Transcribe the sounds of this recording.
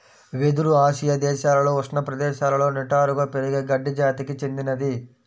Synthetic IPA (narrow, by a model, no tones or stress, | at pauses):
ʋed̪uɾuaːʃijɐd̪ɛːʃaːlɐlo̞ːʋɐʂnɐpɾɐd̪ɛːʃaːlɐlo̞ːnɛʈaːɾuɡaːpeɾiɡɐɡɐɖːid͡ʒaːt̪ikit͡ʃe̞nd̪inɐd̪i